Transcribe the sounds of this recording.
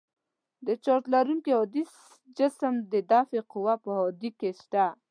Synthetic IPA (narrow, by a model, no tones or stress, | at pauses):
d̪ət͡ʃoɾt̪laɾuŋkeɦod̪is | d͡ʒɪsəmd̪əd̪ɑfeqʊwapəhod̪ikeʃt̪a